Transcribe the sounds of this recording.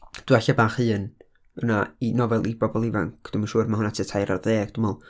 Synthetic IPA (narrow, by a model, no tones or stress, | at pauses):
d̥waɬabaːχɨːn | ənainɔvɛlˠibɔbɔlˠiva̰ŋkʰd̥umanʃuːrmaɦʊnatʰitʰajɾarðeːɡ̥d̥ɪmɔlˠ